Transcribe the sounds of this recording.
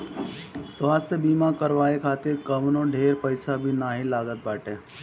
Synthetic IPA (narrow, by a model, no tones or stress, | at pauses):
swaːst̪ʰjəbiːmakəɾʋaːekʰaːt̪eɾkəmnõɖʱeːɾpəɪsabʱinaːɦilaːɡət̪̚baːʈeː